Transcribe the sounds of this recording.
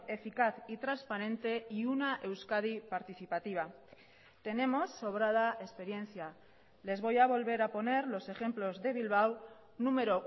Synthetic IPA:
e̞fikaθit̪ɾanspaɾẽ̞nt̪e̞iunaʔe̞wskaðipaɾt̪iθipat̪iβ̞a | t̪e̞ne̞mo̞sːoβ̞ɾað̞ae̞spe̞ɾje̞n̟θja | le̞zβo̞jaβo̞lβe̞ɾapo̞ne̞ɾlo̞se̞xemplo̞zðe̞β̞ilβ̞aw | nũme̞ɾo̞

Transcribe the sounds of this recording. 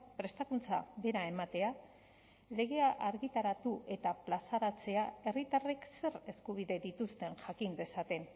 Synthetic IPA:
pɾe̞st̪akunt͡sa̰βe̞ɾae̞mat̪e̞a | le̞ɣ̞e̞aʔaɾɣit̪aɾat̪uʔe̞t̪aplasaɾat͡se̞ae̞rit̪are̞kse̞re̞skuβ̞iðe̞ðit̪ust̪e̞nʝakind̪e̞sat̪e̞n

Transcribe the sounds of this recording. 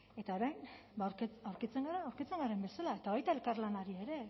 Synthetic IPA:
e̞t̪aoɾajn | bawɾkt͡sawɾkit͡se̞ŋɡaɾaːwɾkit͡se̞ŋɡaɾembe̞salae̞t̪aβajt̪ae̞lkaɾlanaɾie̞ɾe̞

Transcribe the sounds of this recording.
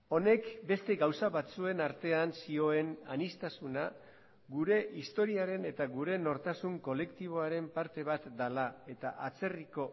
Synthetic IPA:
o̞ne̞kbe̞st̪e̞ɡawsaβat͡sue̞naɾt̪e̞ansio̞e̞na̰nist̪asuna | ɡuɾe̞ʔist̪o̞ɾiaɾe̞ne̞t̪aɣuɾe̞no̞ɾt̪asuŋko̞le̞kt̪iβ̞o̞aɾe̞mpaɾt̪e̞β̞at̪d̪alae̞t̪aʔat͡se̞riko̞

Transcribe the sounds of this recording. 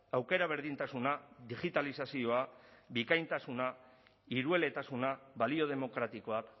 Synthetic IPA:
awke̞ɾaβ̞e̞ɾðint̪asunaðiɣit̪alisasio̞aβikajnt̪asuna | iɾue̞le̞t̪asunaβalio̞ðe̞mo̞kɾat̪iko̞ak

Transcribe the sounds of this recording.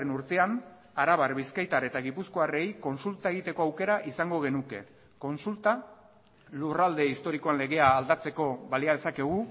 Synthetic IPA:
enuɾt̪e̞an | aɾaβarβiskajt̪aɾe̞t̪aɣipusko̞are̞jko̞nsult̪aeɣ̞it̪e̞ko̞awke̞ɾaʔisaŋɡo̞ɣ̞e̞nuke̞ | ko̞nsult̪a | lurald̪e̞ist̪o̞ɾiko̞anle̞ɣ̞e̞aːld̪at͡se̞ko̞βaliað̞e̞sake̞ɣ̞u

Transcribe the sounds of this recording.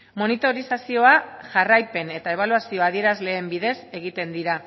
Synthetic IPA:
mo̞nit̪o̞ɾisasio̞aʝarajpe̞ne̞t̪ae̞β̞aluasio̞aðie̞ɾazle̞ːmbiðe̞se̞ɣ̞it̪e̞nd̪iɾa

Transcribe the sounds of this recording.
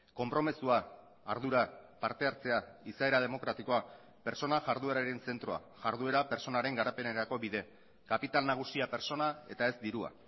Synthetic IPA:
ko̞mpɾo̞mesuaː | ɾðuɾapaɾt̪e̞aɾt͡se̞aisae̞ɾað̞e̞mo̞kɾat̪iko̞a | pe̞ɾt͡so̞naʝaɾðueɾaɾe̞nse̞nt̪ɾo̞a̰ | ʝaɾðue̞ɾape̞ɾt͡so̞naɾe̞ŋɡaɾape̞neɾako̞βiðe̞ | kapit̪alnaɣ̞usiape̞ɾso̞nae̞t̪ae̞zd̪iɾua̰

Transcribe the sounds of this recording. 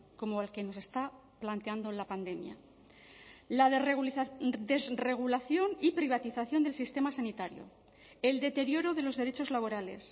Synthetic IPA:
ko̞moalke̞no̞se̞st̪a | plant̪eand̪olapand̪e̞mja̰ | lað | d̪ezre̞ɣ̞ulaθjo̞nipɾiβ̞at̪iθaθjo̞nd̪e̞lsist̪e̞masanit̪aɾjo̞̰ | e̞ld̪e̞t̪e̞ɾjo̞ɾoðe̞lo̞zðe̞ɾet͡ʃo̞zlaβ̞o̞ɾale̞̰s

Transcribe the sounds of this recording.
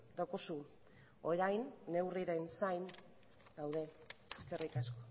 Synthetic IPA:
d̪awkosu | o̞ɾajnːe̞wriɾensajn | d̪awðe̞eske̞rikasko̥

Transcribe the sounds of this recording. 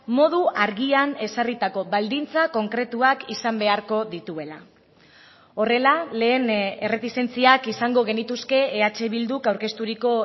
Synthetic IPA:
mo̞ð̞uaɾɣiane̞sarit̪ako̞βald̪int͡sako̞ŋkɾe̞t̪uakisambe̞aɾko̞ðit̪ue̞la̰ | o̞re̞lale̞ːne̞re̞t̪ist̪e̞nt͡siakisaŋɡo̞ɣ̞e̞nit̪uske̞ːat͡ʃe̞βild̪ukawɾke̞st̪uɾiko̞

